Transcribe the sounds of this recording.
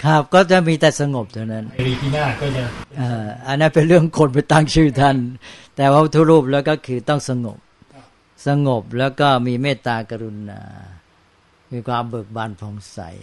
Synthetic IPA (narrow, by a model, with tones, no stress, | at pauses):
kʰa˦˥˩p̚kɔː˥˩t͡ɕa˨˩miː˧t̪ɛː˨˩sa˧ŋo˨˩p̚t̪ʰa˧˩na˦˥nɾiː˧t̪ʰiː˥˩naː˥˩kɔː˥˩t͡ɕa˨˩ʔaː˧ʔa˧nːa˦˥npe˧nɾɯ˥˩əŋkʰo˧npa˧jt̪a˥˩ŋt͡ɕʰɯː˥˩t̪ʰa˥˧˩nt̪ɛː˨˩pʰa˦˥wt̪ʰuː˥˩ɾuː˥˩p̬̚lɛː˦˥wkɔː˥˩kʰɯː˧t̪ɔ˥˩ŋsa˧ŋo̰˨˩p̚ | sa˧ŋo˨˩p̚lɛː˦˥wkɔː˥˩miː˧meː˥˩t̪ːaː˧ka˧ɾu˧na̰ː˧ | miː˧kʰwaː˧mbɤː˨˩k̚baː˧npʰɔː˨˦ŋsa̰˨˩˦j